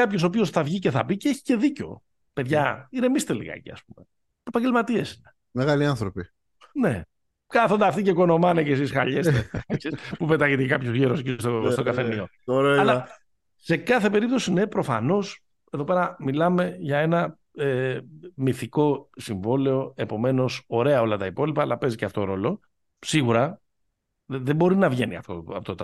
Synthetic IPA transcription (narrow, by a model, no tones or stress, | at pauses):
kɐpço̞sopio̞sθɐvʝice̞θɐbiceeçi̥ce̞ðiceo̞̰ | peðʝɐiɾe̞mist̪elḭɣɐ̰cḭɐ̰spume̞ | epɐɲɟelmɐt̪ie̞si̥ne | meɣaliɐnθɾopi | ne̞ | kɐθond̪ɐft̪iceko̞no̞mɐnecesisxɐʎesksispupet̪ɐʝet̪ekɐpçozʝiɾoscist̪ost̪oɡɐfenio̞ | oɾɐl | se̞kɐθe̞pe̞ɾip̚t̪o̞sine̞pɾo̞fɐ̰no̞s | e̞ðo̞pe̞ɾɐmilɐme̞ʝɐe̞nɐ | emiθiko̞siɱvo̞le̞o̞epo̞me̞no̞so̞ɾe̞ɐo̞lɐt̪ɐipo̞lipɐːlɐpe̞ziceɐft̪oɾo̞lo̞ | siɣuɾɐ | ðebo̞ɾinɐvʝe̞niɐ̰ft̪o̰ɐot̪ot̪